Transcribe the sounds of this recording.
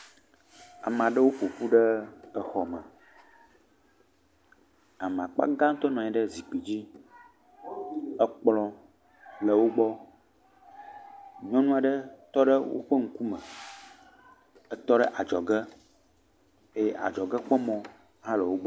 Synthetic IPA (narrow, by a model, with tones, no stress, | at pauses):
a̰˨m˨ã˨ɖə˦wo˦ɸo˨ɸu˦ɖə˦ə˨xɔ˨mə̃˨ | a˨mã̰˨k͡pa̰˦ɡa˦ŋ̩̃˦t̪ɔ˦nɔ̃˨ɲɛ˨ɖə˦zi˨k͡pi˨d͡ʑi˦ | ə˦k͡plɔ̃˦ | lə˨wo˦ɡ͡bɔ˦ | ɲɔ̃˦nũ˦a˨ɖə˦t̪ɔ˦ɖə˦wo̰˦ɸə˦ŋ̩˦ku˦mə̃˨ | ə˦t̪ɔ˦ɖə˦ʔa˨d͡ʒɔ˨ɡə˦ | e˦jɛ˦ʔa̰˨d͡ʒɔ˨ɡə˦k͡pɔ˦mɔ̃˦ | ɦã˦lə˨wo˦ɡ͡bɔ˦